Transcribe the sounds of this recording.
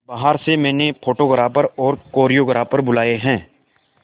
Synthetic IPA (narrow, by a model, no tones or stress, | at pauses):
baːɦaɾsemɛ̃ːnepʰoːʈoɡəɾaːpəɾɔːɾkoːɾijoɡɾaːpəɾbʊlaːeɦɛ̃ː